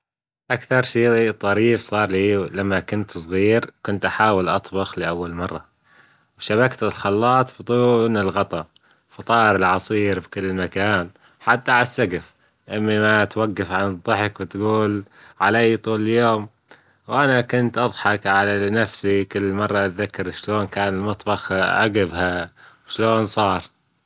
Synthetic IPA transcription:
ʔakθɑɾˤʃiːt̪ˤːɑɾiːfsˤɑːɾˤliːlamːakʊnt̪sˤɣiːɾkʊnt̪ʔaħaːwɪlʔɑt̪ˤbɑxliʔawːalmɑrˤːɑ | wʃaβakt̪ɪlxɑlːɑːt̪ˤbt̪ˤuːnɪlɣɑt̪ˤɑ | fɑt̪ˤɑːʔɾɪlʕɑsˤiːɾbkɪlːmakaːn | ħat̪ːaʕasːaɡɪf | ʔɪmːimat̪waɡːafʕanðˤːɨħɪkwɪt̪ɡuːl | ʕaleːjt̪ˤuːlɪljoːm | wʔanakʊnt̪ʔɑðˤħɑkʕalanafsikɪlːmɑrˤːɑt̪ðakːɑɾʃloːnkaːnɪlmɑt̪ˤbɑxʔa̰ɡɪbɦawʃloːnsˤɑːɾˤ

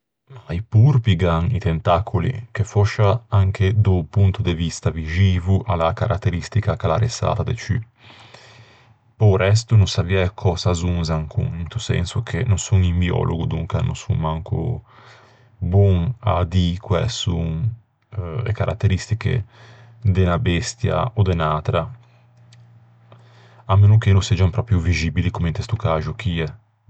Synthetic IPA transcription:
jpuɾpiɡaŋit̪ent̪akʰulḭkefɔʃaaŋkʰed̪upunt̪ud̪evist̪avid͡ʒiːvuʔalakaɾʔat̪ːeɾist̪ikakalaɾesa̰ːt̪ad̪et͡ʃy | powɾɛst̪unuŋsaviːaekʰɔsazuŋzaŋkʰṵŋint̪usɛ̰nsukʰenuŋsuŋimbiɔ̰lʔoɡud̪uŋkanṵ̃sṵŋmaŋkṵ | bɔŋa̰d̪ikwɛ̰suŋ | ḛkaɾʔa̰t̪ːeɾist̪ikḛ | d̪enabɛst̪ja̰od̪enaːt̪ɾa | amːenuk̟enusɛd͡ʒampɾɔːpɾjuvizibilikument̪est̪ukaːʒuk̟iɛ

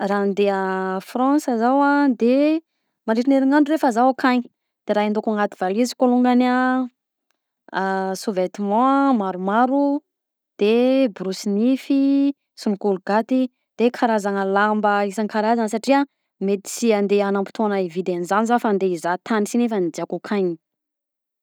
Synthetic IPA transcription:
rand̪eəfrɑ̃səzawad̪e | manɖ͡ʐiʈ͡ʂineɾiŋaɳɖ͡ʐuɾefəzawakʰaɲi̥ | d̪̥eɾaːind̪okaŋat̪iv̥alizi̥koluŋɡana | suvet̪imɔ̃maɾumaɾu | d̪̥ebɾusinifi | sumikulɡ̥at̪i | d̪̥ekʰaɾazanəlambəisanŋkaɾazansaʈ͡ʂia | met̪i̥t͡siand̪eanampi̥t̪onaivid̪enizanizafand̪eizat̪ʰanisinefanid͡ʒeakukʰaɲi

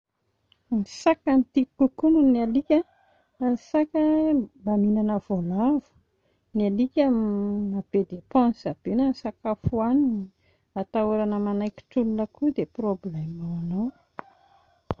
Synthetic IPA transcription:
nisakant̪ikukununialikʲə | sakəbaminanəv̥olavu̥ | nialikʲəmab̥ed̪epɑ̃nzab̥enəsakafuanii | at̪auɾanəmanajkʲi̥ʈ͡ʂulunəkud̪eproblɛmawanow

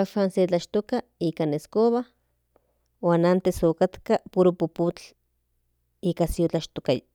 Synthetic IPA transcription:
aʃanset͡ɬaʃt̪okaikaneskoβa | waːnant̪esokat̪kapuɾopuput͡ɬ | ikasiot͡ɬaʃt̪okaja

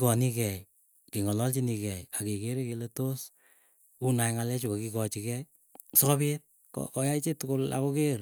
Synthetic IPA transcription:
kɔnikɛj | kiŋɔlɔlt͡ʃinikɛjakekeɾekeletos | unajŋalɛt͡ʃukokikɔt͡ʃikɛj | sɔkɔbit̚ | kɔ̰kɔjait͡ʃetʊkʊla̰kokeɾ

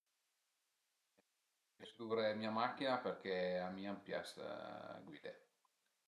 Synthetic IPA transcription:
esd̪uvɾemiamakːinaperkeamiampja̰sɡwiːd̪e

